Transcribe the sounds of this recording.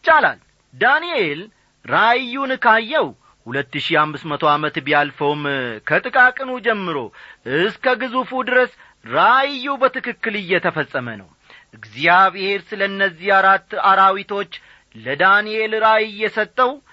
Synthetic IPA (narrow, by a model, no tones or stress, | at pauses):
t͡ʃʼːala̰l | d̪aniel | ɾajːunɨkʰajːɛw | hulət̪ːɨʃiamːɨsmət̪ʰo̞amət̪bjalfəwmkʰət̪ʼɨkʼakʼɨnud͡ʒɛmːɨɾo̞̰ʔɨskəɡɨzufud̪ɨɾəs | ɾajːubət̪ɨkɨkːɨlɨjːɛt̪ʰəfəsʼːəmənə̰w | ʔɨɡzijaβhe̞ɾsɨləɨnːəzːiaɾat̪ːaɾawit̪ʰo̞t͡ʃː | ləd̪anielɾajɪjːɛsət̪ʼːəw